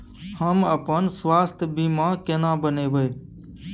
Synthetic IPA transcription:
həməpənsʋaːst̪ʰbiːmãːkeːnãːbəneːʋəeː

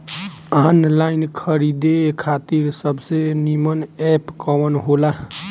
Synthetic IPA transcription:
anlainkʰəɾid̪ekʰat̪iɾsəbsenimənɛpkɔwənɦola

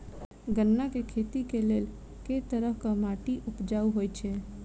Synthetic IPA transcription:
ɡənːakekʰet̪ikelel | ket̪əɾəkamaʈiʔupd͡ʒauɦojt͡ʃʰɛ

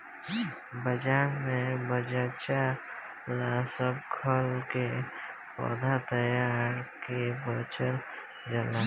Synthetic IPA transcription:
bəd͡ʒaːnmẽbəd͡ʒət͡ʃa | lasəbkʰəlke | pɔ̰ːd̪ʱat̪əjaːɾkebət͡ʃəl | d͡ʒəla

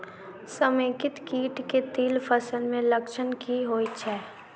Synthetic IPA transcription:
səmeːkɪt̪kiːʈket̪iːlpʰəsəlmẽlɐkʃənkiɦoːit͡ʃʰɛː

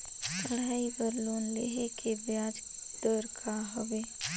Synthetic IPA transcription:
t̪əɽ̤aːibəɾloːnleɦekʰebjaːd͡ʒ | d̪̥əɾkʰaɦʊʋeː

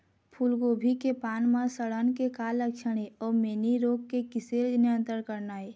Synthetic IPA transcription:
pʰulɡobʱikepaːnmãsəɽənkekaːləkʃʰəɽ̃eɔːɾmeːniɾoːɡ̚kekɪseɾnə̃nt̪əɾkəɾnaːe

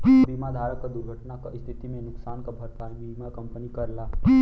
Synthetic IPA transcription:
bimad̪ʱaɾəkːəd̪uɾɡʱəʈnakast̪ʰit̪imẽnʊksaːnkabʱəɾpanibimakəmpənikəɾla

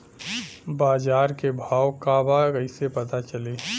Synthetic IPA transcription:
baːd͡ʒaːɾkebʱaːwkabaɡəɪsepɐt̪at͡ʃəli

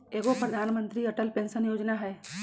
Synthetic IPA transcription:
eːɡopɾəd̪ʱaːnmə̃nt̪ɾiɐʈəlpẽːnʃənjoːd͡ʒnaɦɛː

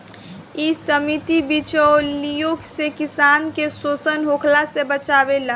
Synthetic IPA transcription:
isəmit̪ibit͡ʃolijoːksekɪsaːnkesoːsənɦoːkʰlasebət͡ʃaːʋelaː

